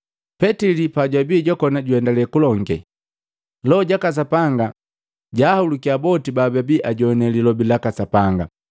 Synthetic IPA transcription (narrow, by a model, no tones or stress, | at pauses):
pɛtilipaɟwabiːɟɔkɔnaɟuɛndalɛkulɔŋɡɛ | lɔɟakas̬apaŋɡa | ɟahulukiabɔtibababiʔaɟɔnɛlilɔbilakasapaŋɡa̰